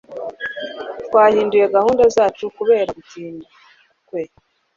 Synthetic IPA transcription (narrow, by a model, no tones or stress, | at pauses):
tkwaːhiːnduje̞ɡahuːndazaːt͡ʃukuβe̞ːɾaɡutiːndi | kwe